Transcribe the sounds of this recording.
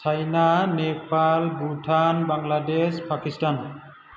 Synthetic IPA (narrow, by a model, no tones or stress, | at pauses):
t͡ʃʰajnanepalbutʰanbaŋladespʰakistan